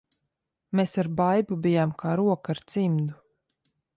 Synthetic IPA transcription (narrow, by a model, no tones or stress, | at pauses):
mesaɾbajbubijamkʰaːɾuɔkaɾt̪simd̪u